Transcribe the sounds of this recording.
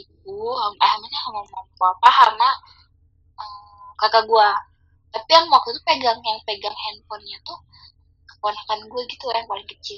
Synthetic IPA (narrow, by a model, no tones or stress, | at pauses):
it̪̚uhampahamaɲahamamɔmpɔapaharna | əm | kakaɡua | t̪apijaŋwak̚t̪ut̪upeɡaŋjaŋpeɡaŋhɛnpɔnɲat̪uh | kə̥ponakanɡuaɡit̪ujaŋpalɪŋkət͡ʃil